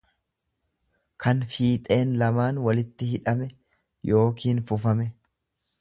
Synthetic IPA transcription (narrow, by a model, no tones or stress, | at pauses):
kʰɐnfiːt̪ʼe̞ːnlɐmaːnwɐlɪt̪ːɪhɪᶑɐmɛ | jʔo̞ːkʰiːnfʊfɐmɛ